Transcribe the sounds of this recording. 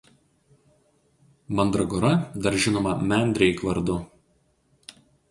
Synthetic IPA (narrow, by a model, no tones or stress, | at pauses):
mɐnd̪ɾɔɡɔɾɐd̪ɐɾʒʲɪnoːmɐmʲɛˑnʲd̪ʲɾʲɛɪkʋɐɾd̪ʊ